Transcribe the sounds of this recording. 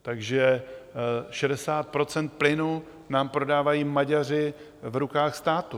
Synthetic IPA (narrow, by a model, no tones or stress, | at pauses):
t̪aɡʒɛ | ʃɛdɛsaːt̪̚pɾo̞t͡sɛnt̪̚plɪnu | naːmpɾo̞daːvajiːmaɟar̝ɪ | vɾukaːxst̪aːt̪u